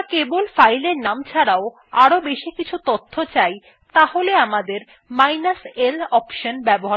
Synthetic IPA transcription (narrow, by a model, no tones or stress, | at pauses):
kebolfajleɾnamt͡ɕʰaɽao | aɾobeʃikit͡ɕʰut̪ot̪ʰːot͡ɕaj | t̪aholeamad̪eɾ | majnaselɔpʃonbɛboɦa